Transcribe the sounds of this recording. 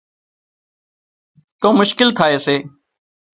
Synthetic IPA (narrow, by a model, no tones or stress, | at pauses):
t̪õːmʊʃkɪlt̪ʰaːeːseː